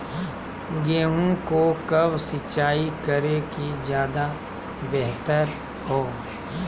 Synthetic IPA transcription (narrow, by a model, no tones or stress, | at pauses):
ɡeːɦũkokɐbsɪt͡ʃaːikɐɾekid͡ʒjaːd̪a | bɛɦt̪əɾ | hoː